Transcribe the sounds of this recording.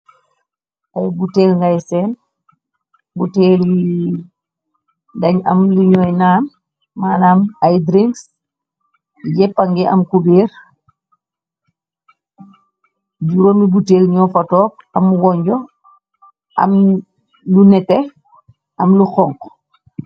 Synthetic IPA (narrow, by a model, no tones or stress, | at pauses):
ʔajbutɛːlŋɡajsɛːn | buteːl | dɐɲɐ̰mluɲɔːjnaːmː | aːnamajdɾiŋks | jɛpːɐŋɡɛʔɐ̰mkubeːɾ | d͡ʒuɾomibuteːlɲɔfɐtɔːk̚ɐmwɔɲɟɔ | ʔɐ̰m | lunɛtɛ | ɐmluxɔŋk